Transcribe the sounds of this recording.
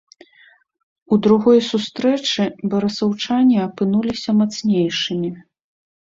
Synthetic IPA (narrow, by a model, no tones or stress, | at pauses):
ud̪ɾuɣɔjsust̪ɾɛt͡ʂɨbɐɾɐsɐwt͡ʂanʲiɐpɨnulʲisʲɐmat̪snʲejʂɨmʲi